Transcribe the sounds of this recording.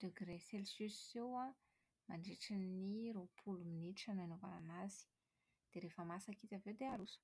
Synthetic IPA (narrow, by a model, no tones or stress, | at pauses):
d̪̥øɡɾeselsyszewa | maɳɖ͡ʐiʈ͡ʂiniɾopʰuluminiʈ͡ʂananovana̰nazi̥ | d̪̥eɾefəmasakit̪ʲavewd̪eaɾusu̥